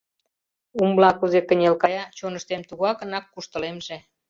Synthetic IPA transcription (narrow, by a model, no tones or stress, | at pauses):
umblɑkuzekə̆nʲelkɑjɑt͡ɕonəʃt̪emt̪uɣɑkənɑkːuʃt̪əlemʒe